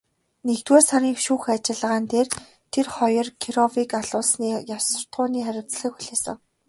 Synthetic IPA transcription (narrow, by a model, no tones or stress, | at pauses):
nekt̪weːsaɾʲiːŋʃuːxat͡ɕɪ̆ɮə̆ʁaːnt̪eːr | t̪ʰerχɔjɞ̆rkʰiɾɔwikaɮʊːɮsniːjawsə̆r̥t̪ʁʊːniːχæɾʲɪ̆wt͡sɮə̆kxuɮeːsə̆ŋ